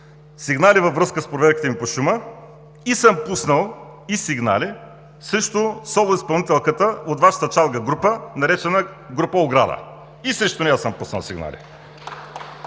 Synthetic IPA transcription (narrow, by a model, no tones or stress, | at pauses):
siɡnalivɐvɾɤskəspɾovɛɾki̥t̪ɛmipoʃumə | isəmpusnəlˠisiɡna̰li | səʃt̪ʊsɔlˠʊispɐlˠnit̪ɛlˠkət̪əot̪vaʃə̥t̪ət͡ʃalˠɡəɡɾupənɐɾɛt͡ʃɛnəɡɾupəoɡɾa̰d̪ə̰ | isɾəʃt̪onɛasəmpusn̰lˠsiɡna̰lḭ